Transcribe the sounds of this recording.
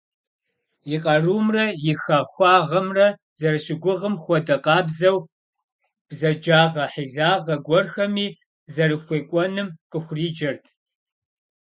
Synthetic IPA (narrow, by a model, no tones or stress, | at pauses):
jɪqʼɐruːmrɐjɪxaxʷɑːʁɐmrɐ | zɐrɨɕɪɡʷʊʁəmxʷɔdɐqʼɑːbzɐw | b̥zɐd͡ʒaːʁɐħiɮaːʁɐɡʷɔrxɐmiː | zɐrɨxʷeːkʷʼɔnɨmqʼəxʷʊriːd͡ʒɐrtʰ